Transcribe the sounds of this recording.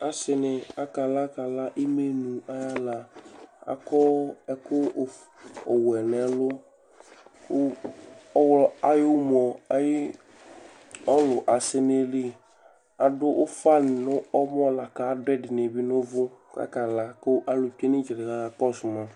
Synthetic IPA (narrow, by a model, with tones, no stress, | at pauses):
a˨sɪ˨nɪ˨a˨ka˨la˦ka˨la˦ʔi˦me˦nũ˨a˦ja˦la˨a̰˨kɔ˦ɛ˦kʊ˦˨ | ɔ˨wɛ˨nɛ˨lʊ˦ | wa˦jʊ˦m˨ɔ˨a˦jɪ˦ | ɔ˦lʊ˨ʔa˨sɪ˦ne˦lɪ˦ | a˨dʊ˦ʔʊ˦fa˦nɪ˨nʊ˦ɔ˦m˦ɔ˦la˨ka˨˦dʊ˦ɛ˦dɪ˨n˨e˨bɪ˦nʊ˦vʊ˦ka̰˨ka˨la˨kʊ˦ʔa˦lʊ˨pe˦nɪ˦d͡ʒɪ˨ɾɪ˨ɣa˨a˨kɔ˦sʊ˨ma˨